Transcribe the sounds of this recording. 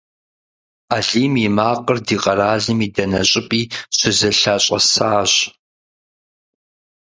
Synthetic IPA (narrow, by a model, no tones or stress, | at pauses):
aːɮiːmjɪmaːqərdiːqʼɐɾaːɮɨmiːdɐnɐɕʼɪpʼiːɕʷʊzɐɬaːɕʼɐ̰saːɕ